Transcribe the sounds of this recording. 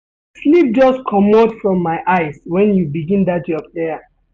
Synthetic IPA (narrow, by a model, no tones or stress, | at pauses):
slip̚d͡ʒɔstkʰɔmɔdfɹɔ̃mːaɪʔaɪswɛ̃njubiɡĩndat̚d͡ʒd͡ʒɔpɛja